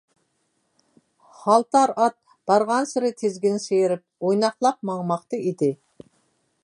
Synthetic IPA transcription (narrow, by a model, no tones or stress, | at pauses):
hɑlˠt̪ʰɑɾɑt̪̚ | b̥ɑɾʁɑnsɪɾɪt̪ʰezɡʲɪnsejɾɪp̚ojnɑχlˠɑq̚mɑŋmɑqt̪ɨid̪ɪ